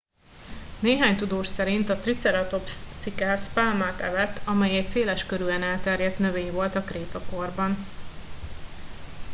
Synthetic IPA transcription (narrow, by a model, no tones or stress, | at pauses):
neːɦaːɲt̪ud̪oːʃsɛɾint̪ɒt̪rit̪sɛɾɒt̪o̞pst̪sikaspaːlmaːt̪ɛ̰vɛt̪ːʰɒmɛjɛc̚seːlɛʃkøɾyɛnɛlt̪ɛrjɛt̪nø̞veːɲvo̞lt̪ɒkreːt̪ɒko̞rbɒn